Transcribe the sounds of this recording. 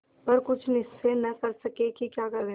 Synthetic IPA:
pɐɾkʊt͡ʃʰnɪsːenɐkɐɾsɐkekikjaːkɐɾẽ

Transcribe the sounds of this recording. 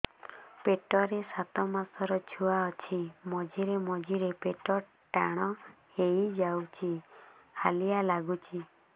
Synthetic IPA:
peʈɔɾesat̪ɔmasɔɾɔt͡ʃʰuaɔt͡ʃʰimɔd͡ʒiɾemɔd͡ʒiɾepeʈɔ | ʈaɽ̃ɔ | heid͡ʒawt͡ʃʰihalijalaɡut͡ʃʰi

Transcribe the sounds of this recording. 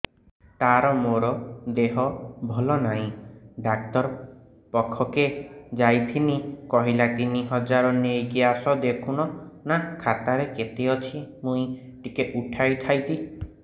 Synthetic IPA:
t̪aɾɔmoɾɔd̪eɦɔbʱɔlɔnaɦĩɖak̚t̪ɔɾ | pɔkʰːɔked͡ʒajt̪ʰinikɔɦilat̪iniɦɔd͡ʒaɾɔnejɡiasɔd̪ekʰuñɔnakʰat̪aɾeket̪eɔt͡ʃʰimũĩ | ʈikeʔuʈʰajt̪ʰajt̪i

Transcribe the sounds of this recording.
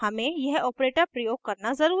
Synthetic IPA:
hɐmẽjɛɦɔːpɾeːʈəɾpɾɐjoːɡ̚kɐɾnazɐɾuː

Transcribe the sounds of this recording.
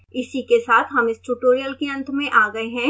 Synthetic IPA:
ɪsikesaːt̪ʰɦɐmɪsʈuːʈoːɾijəlkeɐ̃nt̪ʰmẽʔaːɡɐeɦɛ̃

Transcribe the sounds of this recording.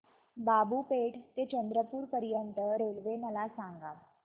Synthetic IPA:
babuːpeʈt̪et͡ɕənd̪ɾəpuːɾpəɾjənt̪əɾelʋenəlasãŋɡa

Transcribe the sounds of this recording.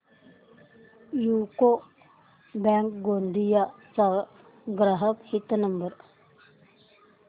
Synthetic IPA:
juko | bɛŋk̚ɡond̪ijat͡sa | ɡɾaɦəkhit̪ːənəmbəɾ

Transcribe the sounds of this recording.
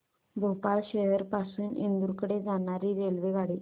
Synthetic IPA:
bʱopalɕeɦəɾpasuːnḭnd̪uɾkɽed͡zaɳ̃aɾiːɾelʋeɡʱaɽiː

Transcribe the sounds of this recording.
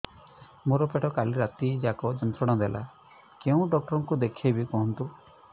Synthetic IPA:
moɾɔpeʈɔkaliɾat̪id͡ʒakɔd͡ʒɔnt̪ʰɾɔɽ̃ɔd̪elʔa̰ | keũɖɔk̚ʈɔɾɔŋkud̪ekʰebikɔɦɔnt̪u

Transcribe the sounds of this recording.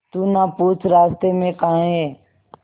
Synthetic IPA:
t̪uːnapuːt͡ʃɾaːst̪emẽkaãɦɛ̃ː

